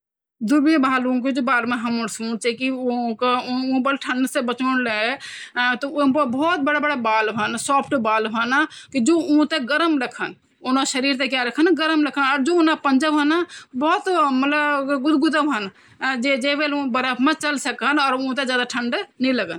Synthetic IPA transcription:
d̪ubijəbʱaːlũked͡ʒobaːlmẽɦəməɾsũt͡ʃekiõkõbəlʈʰə̃ɳɖsebət͡ʃənle | t̪ɔõpəbɔːt̪̚bəɽabəɽabaːlbʱənsɔːpʰʈbaːlbʱənakid͡ʒoõt̪eɡəɾəmɾəkʰən | onaʃəɾiɾt̪ekjaɾəkʰənɡəɾəmɾəkʰənɔːɾd͡ʒoonapənd͡ʒəbʱənabɔːt̪mət̪ləbɡud̪ɡud̪əbʱən | d͡ʒed͡ʒebelũbəɾəpʰmẽt͡ʃəlsəkənɔːɾõt̪̬ed͡ʒjaːd̪aʈʰəɳɖnɛləɡən

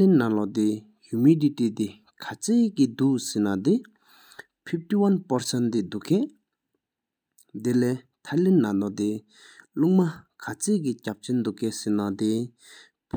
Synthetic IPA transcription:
linːalɔd̪e | jumiditit̪e | kʰat͡seːkid̪uʔsinad̪e | pʰip̚tiwanpaɹsɛnt̪id̪ukɛʔ | d̪elɛː | t̪ʰalinːalɔt̪e | luʔ̚makʰat͡seːʔkicap̚t͡ɕʰend̪ukɛsinat̪e | pʰ

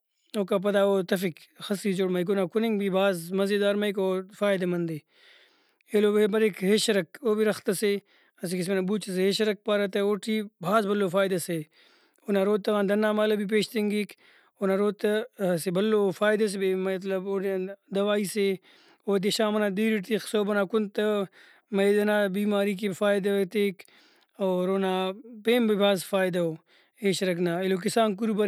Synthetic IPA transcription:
oːkap̬ɐd̪aːoːt̪ɐfikxɐsiːt͡ʃoɽmɐik̬onaːkuniŋɡbibʱaːzmɐzed̪aːɾmɐikoːfaːjd̪ɐmɐnd̪e | eloːbeːbɐɾekɦeːʃɐɾɐkoːbiɾɐxt̪ɐse | ɐs̬ikis̬menɐbuːt͡ʃɐs̬eɦeʃɐɾɐk̚paɾɐt̪ɐoːʈʰiːbʱaːzbɐlːofaːjd̪ɐse | onaɾoːt̪ːɐɣãːnd̪ɐnːaːmaːlɐbip̬eːʃt̪eŋɡik | onaɾoːt̪ɐsebɐlːoːfaːjd̪ɐs̬ebemɐt̪lɐboːd̪ɐʋaːiːse | oːd̪̬eʃaːmɐnaːd̪iːɾiʈ̪ixsoːbɐnaːkunt̪ɐ | mɐjd̪ɐnaːbiːmaːɾik̬ifaːjd̪ɐʋɐt̪eːk | oːɾoːnaːpeːmbɐbʱaːzfaːjd̪ɐo | ɦeːʃɾɐknaːilok̬isaːnk̬uɾubɐ

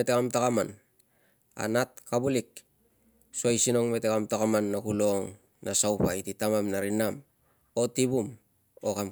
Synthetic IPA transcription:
etekamtakaman | a̰nat̚kabulik̚ | suajsino̞ŋme̞tekamtakamanːakulo̞ŋ | nasawpajtitamamnaɾinam | o̞tibum | o̞kam

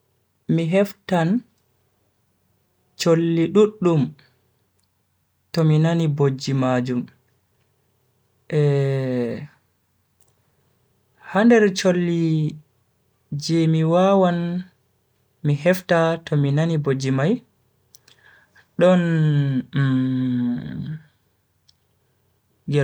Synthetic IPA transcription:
miɦɛftan | t͡ʃolːiɗuɗːum | tɔminanibod͡ʒːimad͡ʒum | ʔɛ | handɛɾt͡ʃolːi | d͡ʒɛmiwawan | miɦɛftatɔminanibod͡ʒimaj | ɗɔn | ɡɛ

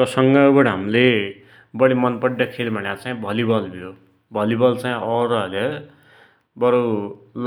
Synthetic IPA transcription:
ʌsʌŋɡaubʌɽʌɦamile | bʌɽimʌnpʌɖːʌkʰelbʱʌnjat͡saĩbʱʌlibʱʌlbʱijo | bʱʌlibʌlt͡sãj̃ʔʌɾʌʌle | bʌɾul

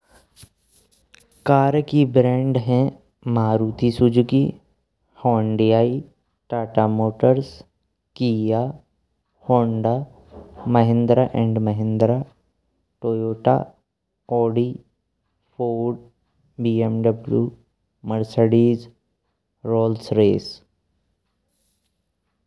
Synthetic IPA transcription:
kaːɾkibɾɛ̃ːɳɖɦɛ̃ | maːɾuːt̪isʊd͡ʒkḭ | hɔːɳɖijaːi | ʈaːʈamoːʈəɾs | kiːja | hõːɳɖaː | məɦɪ̃nd̪ɾaʔɛ̃ːɳɖməɦɪ̃nd̪ɾa | ʈoːjoːʈa̰ | ɔːɖiː | pʰoːɖ | biːemɖəblju | məɾsəɖiːz | ɾoːlsɾeːs

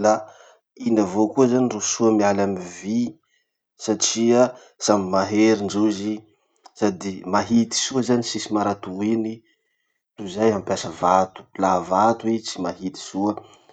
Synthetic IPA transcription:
la | inəvokuəzanirusuəmialamivi | saʈ͡ʂia | samimaɦeɾiɳɖ͡ʐuzi | sad̪imaɦit̪i̥suəzanisisimaɾat̪uini | tuzajɦampjasəvat̪u̥lavat̪uit͡simaɦit̪i̥suə

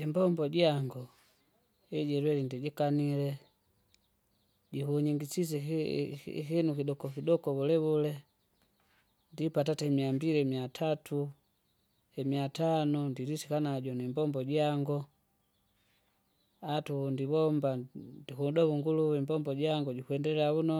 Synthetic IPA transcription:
ɛmbɔmbɔɟaŋɡɔ | ɛɟɛɾwɛlindiɟikanilɛ | ɟihuɲiŋɡisis̬ɛ̰ | hinukidɔkɔkidɔkɔβulɛβulɛ | ndipatatɛmiambiɾiɛmiatʰatu | hɛmiatanɔndiɾisikanaɟɔnimbɔmbɔɟaŋɡɔ | atundiβɔmbandihudɔβuŋɡuluwimbɔmbɔɟaŋɡɔɟikwɛndɛlaunɔ

